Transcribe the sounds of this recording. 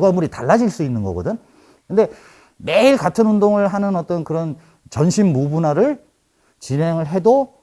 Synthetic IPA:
ɡʌmuɾitaɭːad͡ʑiɭs͈uinːɯnɡʌ̰ɡʌdɯn | kɯnde̞ | me̞iɭkatʰɯnundoŋɯɭɦanɯnʌt͈ʌnkɯɾʌn | t͡ɕʌnɕʰimːubunaɾɯɭ | t͡ɕinɦe̞ŋɯɭɦe̞do

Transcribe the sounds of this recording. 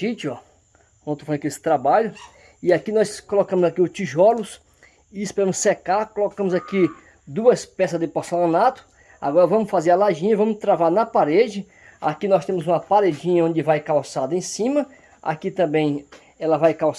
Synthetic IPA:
ʃit͡ʃɔ̃ | owt̪ɾʊfɾɐ̃kiesɪ̥t̪ɾabaʎʊ | ɪakinɔskolokɐ̃mʊzakiʊt͡ʃiʒɔlʊs | ɪɪspɛɾɐ̃mʊssekaɾkolokɐ̃mʊzaki | d̪uɐspɛsɐzd̪ɪposelõnat̪ʊ̥ | a̰ɡɔɾɐvɐ̃mʊsfazeɾɐlaʒĩɲɐvɐ̃mʊst̪ɾavaɾnɐpaɾed͡ʒɪ | a̰kinɔst̪ẽmʊzũmɐpaɾed͡ʒĩɲɐõd͡ʒɪvajkawsad̪ɐẽsĩmɐ | a̰kit̪ɐ̃bẽj̃ | ɛlɐvajkaws

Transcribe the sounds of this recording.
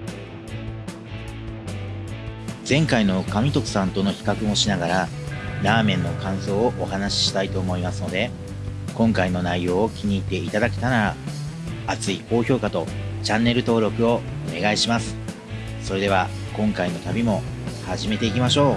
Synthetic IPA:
zẽ̞ŋkaino̞kamʲit̪o̞kɯ̟̥sãnt̪o̞no̞çi̥kakɯ̟mo̞ɕinaɡaɾanaːmẽ̞nːo̞kãɰ̃so̞ːʔːhanaɕi̥ɕi̥t̪ait̪o̞ːmo̞imasɨno̞d̪e̞ | kõ̞ŋkaino̞naijo̞ːkʲiɲ̟iːt̪ːe̞it̪ad̪akʲe̥t̪anaɾaː | t͡sɨiko̞ːço̞ːkat̪o̞t͡ɕãnːe̞ɾɯ̟t̪o̞ːɾo̞kɯ̟o̞one̞ɡaiɕimasɨ̥ | soɾe̞d̪e̞β̞a | kõ̞ŋkaino̞t̪abʲimo̞ | haʑime̞t̪e̞ikʲimaɕo̞ː

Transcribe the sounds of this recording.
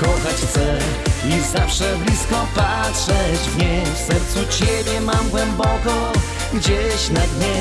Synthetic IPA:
kɔxat͡ɕt̪sɛ | izafʂɛblʲiskɔpa | tʂɛd͡ʑvɲefsɛɾt̪sut͡ɕebʲjɛmamɡwɛmbɔkɔ | ɡd͡ʑeɕnad̪ɲɛ

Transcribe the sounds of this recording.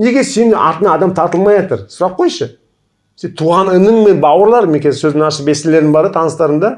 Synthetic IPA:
ne̞ɡʲe̞ɾse̞nʔɑ̰ɾt̪ənɑːd̪ɑmt̪ʰɑɾt̪əlˠmɑjɑt̪əɾsʊɾɑq̚ʰːo̞jʃə | sent̪ʰuʁɑnɪnəŋme̞nbɑwəɾlˠɑɾmekʲʰezsɵzd̪ɪŋɑʃəbesɪle̞ɾɪŋbɑɾd̪ət̪ʰɑnəst̪ɑɾənd̪ɑ

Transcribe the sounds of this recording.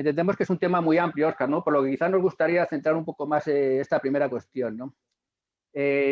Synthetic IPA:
ent̪e̞nd̪e̞moske̞sunt̪e̞mamiampljooskaɾno̞po̞ɾlo̞kekiθano̞zɣust̪aɾiaθe̞nt̪ɾaɾumpo̞ko̞maseest̪apɾime̞ɾakwe̞st̪jo̞nːo̞ | e

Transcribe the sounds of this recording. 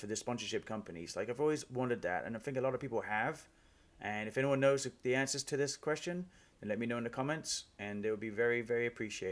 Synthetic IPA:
fə˞ðɨspɑ̃nsə˞ʃɪp̚kʰʌ̃mpɨnḭz̥laɪkaɪvɔlˠwizwɑ̃ntɨd̪̚ðɨ̰tɨ̰̃naɪθɪ̃ŋkəlɔɾʌv̥pipl̩ˠəv | ʔɨ̃nɨfɛniwʌ̃nːoʊzɨðiæ̃nsə˞z̥tʰɨðɪskʰw̥ɛst͡ʃɨ̃n | ðɨ̃n̩lɛt̚minoʊ̃nɨkʰɑmɛ̃ntsɨ̃nðeɪwəlˠbivɛɹivɛɹiɨpʰɹ̥iʃieɪ

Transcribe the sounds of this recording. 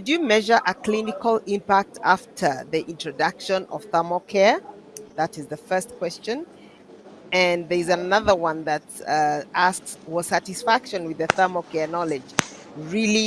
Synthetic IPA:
dɨmɛʒə˞ʔəkʰl̥ɪ̃nɪkəlˠɪ̃mpæk̚tʰaftʰə˞ðiʔɪ̃ntʰɹ̥ɨdʌkʃə̃nʌ̰v̥θɜ˞mokʰɛɹ | ðæɾɨzðəfɜ˞stkʰw̥ɛst͡ʃɨ̃n | ɨ̃nðə˞ɪzənʌðə˞wʌ̃nðɨtsʔaskswɔsæɾɨsfækʃɨ̃nwɨðɨθɜmokʰɛɹnɔlɪd͡ʒ | ɹili

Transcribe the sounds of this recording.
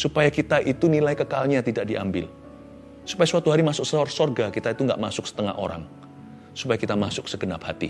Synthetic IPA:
supajakit̪aʔit̪unilajkəkalɲat̪idaʔ̚diʔa̰mbɪ̰l | su̥pajaswat̪uɦaɾimasʊk̚səɔrsorɡakit̪ait̪uŋɡa̰ʔmasʊk̚sə̥t̪əŋa̰hʔo̰ɾa̰ŋ | su̥pajakit̪amasʊk̚səɡənap̚hat̪ḭ

